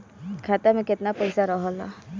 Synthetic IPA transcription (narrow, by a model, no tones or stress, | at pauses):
kʰat̪amẽket̪napɔjsaɾɔɦɔlɔ